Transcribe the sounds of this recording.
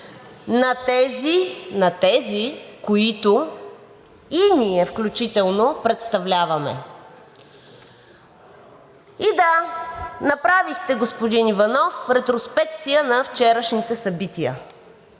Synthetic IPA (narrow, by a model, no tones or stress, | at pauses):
nɐt̪ɛzinɐt̪ɛzikoit̪o | iniɛfklʲut͡ʃit̪ɛlˠnopɾɛt̪st̪ɐvlʲavɐmɛ̰ | id̪a | nɐpɾavixt̪ɛɡospod̪inivɐnɔfɾɛt̪ɾospɛk̚t̪sijənɐft͡ʃɛɾəʃnit̪ɛsɐbit̪iə̰